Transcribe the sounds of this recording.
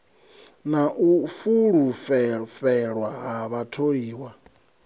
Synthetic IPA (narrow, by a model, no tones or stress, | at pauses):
naʔufuɺufɛfɛɺwaɦaβatʰoɺiːwa